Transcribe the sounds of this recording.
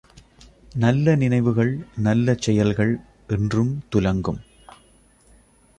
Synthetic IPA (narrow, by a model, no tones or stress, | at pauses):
nɐlːɐnɪnɐɪʋɯɣɐɭnɐlːɐt͡ʃːɛjɐlɣɐɭ | ʔɛndrɯmt̪ʊlɐŋɡɯm